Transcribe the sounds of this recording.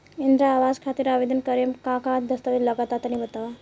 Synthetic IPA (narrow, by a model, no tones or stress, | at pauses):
ind̪ɾaːʋad͡zkʰat̪iɾəbed̪ənkəɾemkãkãd̪əst̪əʋiləɡat̪at̪ənibət̪aʋa